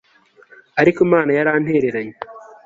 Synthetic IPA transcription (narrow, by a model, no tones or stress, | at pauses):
aɾikomaːnajaɾaːn̥heːɾeɾaɲi